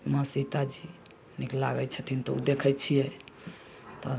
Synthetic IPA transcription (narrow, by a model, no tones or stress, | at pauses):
məsit̪ad͡ʒi | niklaβɛt͡ʃʰət̪ʰint̪ɔṵd̪ekʰɛt͡ʃʰijɛ | t̪ɔ